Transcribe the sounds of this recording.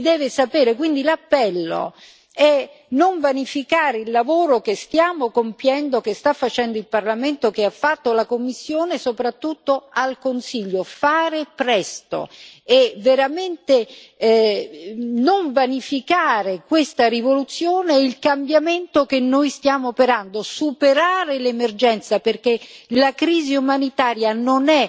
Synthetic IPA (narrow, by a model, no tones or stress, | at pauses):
d̪ɛːvesapɛːɾekwind̪ilapːɛlːo̰ | ɛ | noɱvanifikaːɾeilːavoːɾokest̪jaːmokompjɛnd̪okest̪afːat͡ʃɛnd̪oilparlament̪okeafːat̪ːolakomːisːjoːnesopɾat̪ːut̪ːoalkonsiʎːofaːɾepɾɛst̪o̰ɛveɾament̪e | noɱvanifikaːɾekwest̪arivolut̪sːjoːneilkambjament̪okenːojst̪jaːmoːpeɾand̪osupeɾaːɾelemerd͡ʒɛnt̪saperk̟elakɾiːziumanit̪aːɾjanonɛ